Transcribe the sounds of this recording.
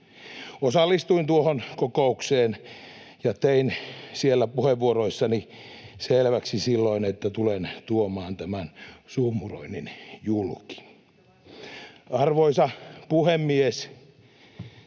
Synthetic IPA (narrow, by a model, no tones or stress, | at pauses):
osɑlːist̪uint̪uohonkokoukseːn | jɑt̪einsielːæpuheʋːuoroisːɑni | selʋæksisilːoinet̪ːæt̪ulent̪uomɑːnt̪æmænsuhmuro̰ininjulki̥ | ɑrʋoisɑpuhemːies